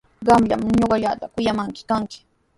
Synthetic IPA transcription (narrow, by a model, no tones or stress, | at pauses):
ɢɑmʎa̰mɲoɢɑʎaːt̪akʊjamaŋkɪ̥kaŋkɪ̥